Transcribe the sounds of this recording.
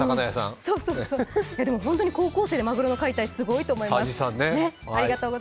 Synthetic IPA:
sakanajasã̰ŋsoːsoːsoːjad̪emo̞ɦõnt̪oɲ̟iko̞ːko̞ːse̞ːd̪e̞maɡɯ̟ɾonokait̪aisɨɡo̞it̪o̞ːmo̞imaasd͡ʑisãnːeneaɾʲiɡat̪oːɡo

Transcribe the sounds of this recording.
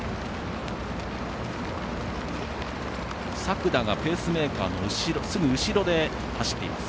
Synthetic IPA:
sakɯ̟d̪aɡape̞ːsɨme̞ːkaːno̞ɯ̟ɕiɾo̞sɨɡɯ̟ɯ̟ɕiɾo̞d̪e̞ | haɕi̥t̪ːe̞̰ḭma̰sɨ̥

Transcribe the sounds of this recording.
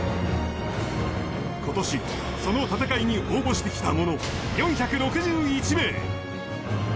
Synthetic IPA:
ko̞t̪o̞ɕi | so̞no̞t̪at̪akaiɲ̟iʔo̞ːbo̞ɕi̥t̪e̞kʲi̥t̪amo̞no̞ | jõ̞ɰ̃çakɯ̟ɾo̞kɯ̟ʑɨːit͡ɕime̞ː

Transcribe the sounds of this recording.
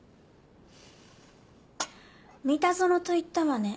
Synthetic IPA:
mʲit̪azoɾot̪o̞it̪ːaβane

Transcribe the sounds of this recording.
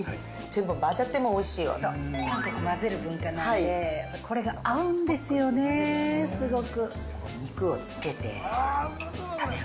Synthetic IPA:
z̥e̞mbomaʑat̪ːe̞mo̞ːiɕiːjo̰sonãŋk̪akimazeɾɯ̟bɯ̟̃ŋkanãnd̪e̞ | kʰo̞ɾe̞ɡaaɯ̟̃nd̪e̞sɨjo̞ne̞sɨɡo̞kɯ̟ | ko̰ɲʲikɯ̟ot͡sɨ̥ke̞t̪e̞̰ | ae

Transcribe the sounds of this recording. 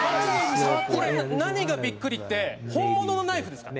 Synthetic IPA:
ko̞ɾenaɲ̟iɡabʲikːɯ̟ɾʲit̪ːe̞hõ̞mːono̞no̞naiɸɯ̟d̪e̞sɨ̥kan

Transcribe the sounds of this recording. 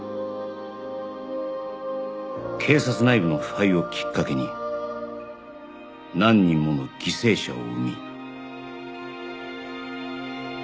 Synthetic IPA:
kʰe̞ːsat͡sɨnaibɯ̟no̞ɸɯ̥aio̞kʲʰi̥kːake̞ɲ̟ḭ | nãɲ̟ːĩmːo̞noɡ̥ʲise̞ːɕa̰o̰ɯmʲi

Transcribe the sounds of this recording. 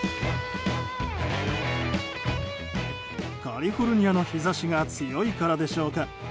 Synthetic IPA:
kʰaɾʲiɸo̞ɾɯ̟ɲ̟ijano̞çizaɕiɡat͡sɨjo̞ikaɾad̪e̞ɕo̞ːka

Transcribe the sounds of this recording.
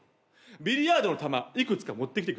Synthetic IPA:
bʲiɾʲiaːd̪o̞no̞t̪amaikɯ̟t͡sɨ̥kamo̞t̪ːekʲit̪ek

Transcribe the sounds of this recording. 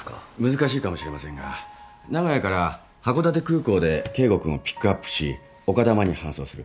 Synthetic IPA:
mɯ̟zɨkaɕiːkamo̞ɕiɾe̞masẽ̞ŋɡa | naɡajakaɾa | hako̞d̪at̪̬e̞kɯ̟ːko̞ːd̪e̞ke̞ːɡo̞kɯ̟̃opʲi̥kːɯapːɯ̥ɕi | o̞kad̪amaɲ̟ihãso̞ːsɨɾɯ̟

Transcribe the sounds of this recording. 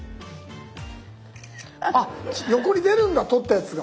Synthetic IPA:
ajo̞ko̞ɲ̟ʲid̪e̞ɾɯ̟̃ŋɡat̪o̞t̪ːajat͡sɨɡa

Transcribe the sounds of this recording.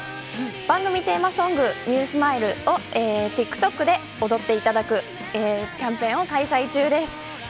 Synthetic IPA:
b̥ãŋɡɯ̟mʲit̪e̞ːmasõ̞ŋɡɯ̟ɲ̟ɨːsɨmaiɾɯ̟o̞eːt̪ikːɯ̥t̪o̞kːɯ̟d̪e̞ | o̞d̪o̞t̪ːe̞it̪ad̪akɯ̟ | eːkʲãmpẽ̞ɰ̃o̞kaisait͡ɕɨːd̪e̞sɨ̥

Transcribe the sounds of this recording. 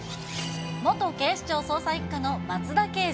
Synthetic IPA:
mo̞t̪o̞ke̞ːɕi̥t͡ɕo̞ːso̞ːsaikːano̞mat͡sɨd̪ake̞ː

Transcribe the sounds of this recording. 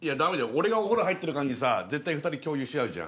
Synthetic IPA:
ijad̪ame̞d̪aooɾe̞ɡaoɦoɾoɦait̪ːeɾɯ̟kãɲ̟isa̰ze̞t̪ːaiɸɯ̟t̪aɾʲikʲo̞ːjɯ̟ːɕiaɯ̟ʑã̰

